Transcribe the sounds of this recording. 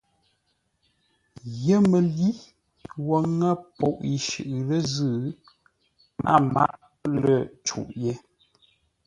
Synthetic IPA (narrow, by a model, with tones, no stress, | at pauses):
ɣə˦mə˨li˦ | wo˦ŋə˦pɔ˨ʔi˨ʃɨ̰˨ʔlə˦zɨ˦˨ | mʔa̰˦˨ma̰˦ʔ | lə˨t͡ʃṵ˨ʔje˦